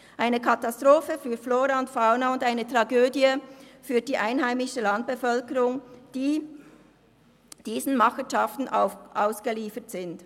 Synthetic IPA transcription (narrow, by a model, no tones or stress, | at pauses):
ʔaɪnəkʰɑtastʁoːfəfyːɾfloːɾaʊntfaʊnaʊndaɪnətʁ̥ɑɡøːdjəfyːɐdiːʔaɪnɦaɪmɪʃəlɑnt̚b̥əfœlkəʁʊŋd̥iː | d̥iːzn̩mɑχənʃɑftn̩ʔaʊsɡ̥əliːfətz̥ɪnt